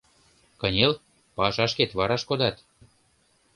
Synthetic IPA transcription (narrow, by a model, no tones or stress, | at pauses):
kɤnʲel | pɑʃɑʃket̪βɑɾɑʃkod̪ɑt̪